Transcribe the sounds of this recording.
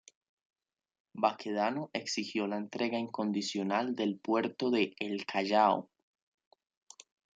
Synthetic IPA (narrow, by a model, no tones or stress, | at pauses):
bakʰeðanoʔe̞ksihjo̞laent̪ɾe̞ɣaiŋko̞nd̪isjo̞nald̪e̞lpwe̞ɾt̪o̞ðe̞ːlkʰaʝao̰